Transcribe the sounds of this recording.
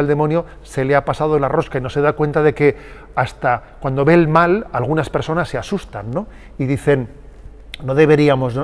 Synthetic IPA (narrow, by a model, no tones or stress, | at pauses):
eld̪e̞monjo | se̞leapasað̞olaro̞skaino̞se̞ðakwe̞nt̪aðe̞ke̞ | ast̪akwand̪o̞βe̞ːlmalalɣunaspe̞ɾso̞nasːe̞asust̪anːo̞ | iðiθe̞nː | o̞ðe̞βe̞ɾiamo̞s